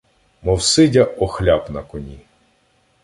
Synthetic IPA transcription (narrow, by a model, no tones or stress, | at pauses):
mɔwsɪdʲɐʔɔxlʲapnɐkɔnʲi